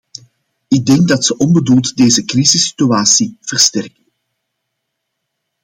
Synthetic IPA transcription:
ɪɡ̚dɛŋɡ̚dɑtsəʔɔnbədulˠtdeːzəkrizɪsi̥tyaːsiv̥ərstɛrkən

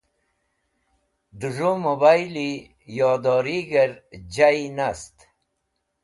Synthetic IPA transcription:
d̪uʐomobajili | jɔːd̪ɔːɾiɡɐɾd͡ʑainast̪

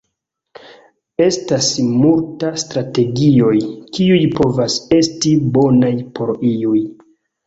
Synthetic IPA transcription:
e̞stasmultastɾate̞ɡio̞jkiujpo̞vase̞stibo̞najpʰo̞ɾiuj

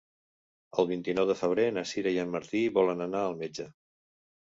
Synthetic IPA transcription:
əlˠβ̞int̪inɔwðəfəβ̞ɾenəsiɾəjənməɾt̪iβɔlənənaəlˠmed͡ʒə

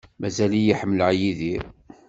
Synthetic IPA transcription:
mæzælijiħəmːəlʕjiðiɾ

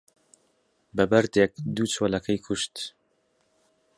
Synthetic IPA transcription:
bɐbɐɾd̪ek̚d̪uːt͡ʃʰoːlɐkʰɐjkʰuʃt̪

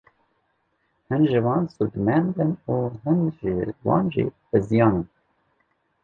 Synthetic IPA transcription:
hɨnʒɨwɑːnsud̪mɛnd̪ɨnuːɦɨnʒɪwɑ̰ːnʒḭbɨzijɑːnɨn

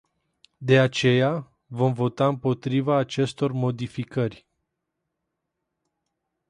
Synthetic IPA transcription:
d̪e̞at͡ʃe̞ja | vo̞mvo̞t̪aɨmpo̞t̪ɾivaːt͡ʃe̞st̪o̞rmo̞d̪ifikərʲ

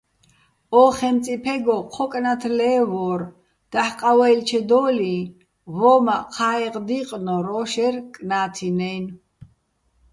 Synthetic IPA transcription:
ɔːχɛnt͡sʼipʰɛɡɔqʰɔkʼnat̪ʰlɛːvɔːɾ | d̪̥ahqʼawɛilt͡ʃʰɛd̪ɔːli | vɔmaqʰaːɛqd̪iqʼnɔɾɔʃɛɾkʼnaːt̪ʰinɛjn

